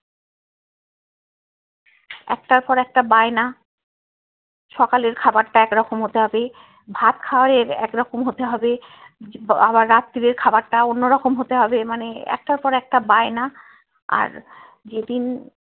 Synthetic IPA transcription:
ɛ̰k̚ʈaɾpɔɾɛk̚ʈabaena | ʃɔkaleɾkʰabaɾʈaɛkɾɔkomɦot̪eɦɔbe | bʱat̪kʰawaɾeɾɛ̰kɾɔkomɦot̪eɦɔbe | abaɾːat̪ːid̪eɾkʰabaɾʈaonːoɾɔkomɦot̪eɦɔbemaneɛ̰k̚ʈaɾpɔɾɛk̚ʈabaena | a̰ɾ | d͡ʑed̪in

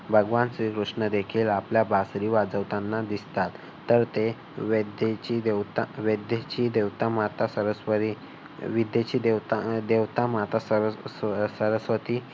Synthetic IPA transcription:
bʱəɡʋansɾikɾuʂɳəd̪ekʰiːlapljabasɾiːʋad͡zəʋt̪ãnːad̪ist̪at̪ː | əɾt̪e | ʋed̪et͡ɕiːd̪et̪aʋed̪jet͡ɕiːd̪eʋt̪amat̪asəɾəsʋəɾi | ʋid̪jet͡ɕiːd̪ewt̪ad̪eʋt̪amat̪asə | səɾəsʋət̪iː

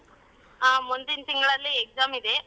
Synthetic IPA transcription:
mund̪int̪iŋɡɐɭɐlːiek̚d͡ʒaːmid̪e

